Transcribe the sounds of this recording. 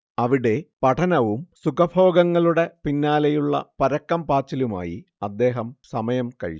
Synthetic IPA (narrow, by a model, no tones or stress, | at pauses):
ɐʋiɽe̞pɐʈʰɐnɐʋumsukɐbʱo̞ːɡɐŋːɐɭuɽe̞pinːaːlɐjuɭːɐ̰pɐɾɐkːɐmpaːt͡ɕːiluma̰ːjḭ | ɐd̪ːe̞ːɦɐmsɐmɐjɐmkɐ̰ɻḭ